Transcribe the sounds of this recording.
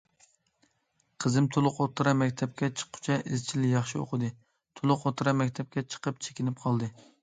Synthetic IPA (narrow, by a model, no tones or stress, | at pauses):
qʰəzɨmt̪ʰulˠʊqot̪ʰːɨɾɑmɛkʲt̪ʰɛp̚kʲɛt͡ʃʰə̥qʰːʊ̥t͡ʃʰɛʔɪzt͡ʃʰilɪjɑχʃio̰qʰəd̪ɨ | t̪ʰolˠʊqot̪ʰːɾɑmɛkʲt̪ʰɛp̚kʲɛt͡ʃʰə̥qəp̚t͡ʃʰe̥kʲinɪp̚qʰɑlˠd̪ɨ